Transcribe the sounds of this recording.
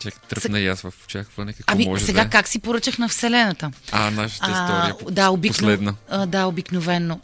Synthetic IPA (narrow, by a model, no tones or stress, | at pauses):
t͡ʃʲakt̪sɛnɐjasvɐfʊ̥t͡ʃaxvənɛkɐkɐɔmimɔɛɛɡakaksipoɾət͡ʃəxnɐfsɛlɛnət̪əanaʃaɛd̪aobislɛd̪nɐd̪aobiknovɛnːo